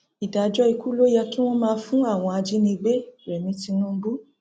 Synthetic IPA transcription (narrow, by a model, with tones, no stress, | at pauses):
i˨da˨d͡ʒɔ˦i˧ku˦lo˦ja˧ki˦w̃ɔ̃˦mãː˧fũ˦a˦˨w̃ɔ̃˧a˧d͡ʒi˦nĩ˧be˦˨ɾɛ˨mĩ˧˦ti˧nũ˦bu˦